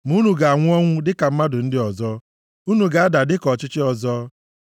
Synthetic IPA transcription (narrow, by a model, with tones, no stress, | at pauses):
mu˦nu˨ɡa˨a˨ŋʷʊ˦ɔ˦ŋʷʊ˦dɪ˦ka˨m̩˦ma˦dʊ˨n̩˦dɪ˦ɔ˨zɔː˦ | u˦nu˨ɡa˨a˦da˨dɪ˦kɔ˨t͡ʃɪ˦t͡ʃɪ˦ɔ˨zɔː˦